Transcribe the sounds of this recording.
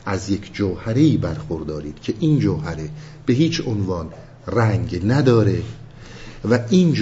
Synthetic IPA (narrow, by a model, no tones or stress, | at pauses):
ʔæzje̞cʰd͡ʒoːhæɾejiːbæɾxoɾd̪ɒːɾiːd̪̥cʰeʔiːnd͡ʒoːhæɾe | b̥eɦiːt͡ʃʰonvɒːn | ræŋɟnæd̪ɒːɾe | væʔiːnd͡ʒ